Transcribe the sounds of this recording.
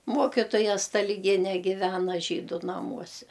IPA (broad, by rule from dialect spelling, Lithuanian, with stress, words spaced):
ˈmuɔkʲɪtoːjɛ stɐlʲɪˈɡʲiɛnʲɛ ˈɡʲɪʋʲɛnɐ ˈʒʲiːdʊ nɐˈmuɔsʲɛ